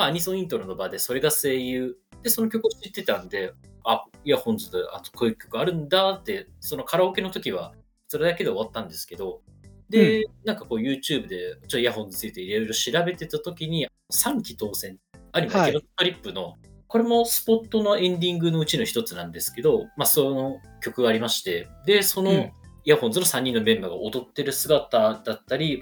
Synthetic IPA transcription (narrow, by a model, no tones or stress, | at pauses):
maːɲ̟isõ̞ĩnt̪oɾɯnobaːd̪e̞so̞ɾe̞ɡase̞ːjɯ̟ːd̪̥e̞so̞no̞k̬ʲo̞kɯ̟oɕit̪ːe̞t̪ãnd̪e̞aiahõ̞nd͡zɨd̪a̰nokoikʲo̞̥kɯ̟aɾɯ̟̃nd̪at̪ːe̞so̞no̞kʰaɾaoke̞no̞t̪o̞kʲiβ̞a̰ | so̞ɾed̪ake̞d̪eːβat̪ːãnd̪e̞sɨ̥ke̞d̪o̞d̪e̞nãŋkako̞ːjɯ̟ːt͡ɕɨːbɯ̟d̪e̞ot͡ɕːjaɦõ̞nːi̥t͡sɨit̪e̞iɾeojɾo̞ɕiɾabe̞t̪e̞t̪at̪o̞kʲiɲ̟i | osãŋkʲi̥t̪o̞ːzẽ̞naɲʲimaakʲiɾont̪oɾʲipːɯ̟no̞ko̞ɾe̞mo̞sɨ̥po̞t̪ːo̞no̞ẽ̞nd̪ʲĩŋɡɯ̟no̞ɯ̟t͡ɕino̞çi̥t̪o̞t͡sɨnã̰nd̪e̞sɨ̥ke̞d̪o̞masonokʲo̞kɯɡaːɾʲimaɕi̥t̪e̞d̪e̞so̞no̞jahõ̞nzɨno̞sãɲ̟ːĩnːomẽ̞mbaɡa̰ʔod̪o̞t̪ːe̞ɾɯ̟sɨɡat̪ad̪at̪ːaɾʲi